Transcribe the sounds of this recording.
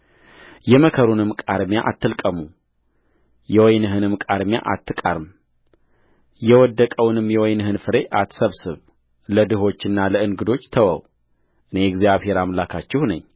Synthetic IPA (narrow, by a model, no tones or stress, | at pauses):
jɛməkʰəɾunɨmkʼaɾmjaʔat̪ʰːɨlkʼəmu | jɛwɔjnɨɦɨnɨmkʼaɾmja̰ʔa̰t̪ːɨkʼa̰ɾɨm | jɛwɔd̪ːəkʼəwnɨmjɛwɔjnɨɦɨnfɨɾe̞ʔat̪ːsəβsɨβ | ləd̪ɨɦo̞t͡ʃːɨnːaləɨŋɡɨd̪o̞t͡ʃːt̪ʰəwə̰w | ʔɨne̞ɛɡzijaβhe̞ɾamlakʰat͡ʃːɛhnəɲː